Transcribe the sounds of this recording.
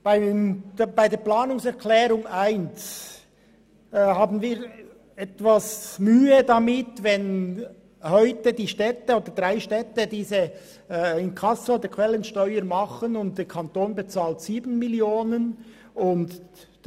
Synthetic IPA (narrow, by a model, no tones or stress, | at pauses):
b̥aɪmb̥aɪdeːɐplaːnʊŋsɛʁkʰlɛːɾʊŋaɪnt͡ss | hɑːbn̩viːɾ | ɛtvasmyːədɑmɪtvɛn | hœʏtədiːʃtɛtəoːd̥əɾd̥ʁaɪʃtɛtədiːzə | ɪnkʰɑsəoːd̥̪əkʰvɛlːənʃtœʏəɾmɑχənʊnt̚d̥eːkʰɑnt̪oːnbɛt͡saːltsiːbn̩mɪljoːnən | ʊnt